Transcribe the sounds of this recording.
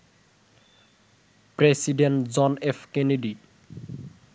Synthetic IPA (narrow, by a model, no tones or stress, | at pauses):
pɾesiɖeɳʈd͡zɔnefʰkeniɖi